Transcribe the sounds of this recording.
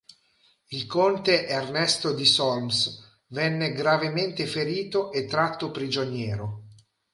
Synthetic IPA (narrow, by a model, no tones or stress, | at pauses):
ilkont̪eʔernɛst̪od̪isɔlms | vɛnːeɡɾavement̪efeɾiːt̪oʔet̪ːɾat̪ːopɾid͡ʒonjɛːɾo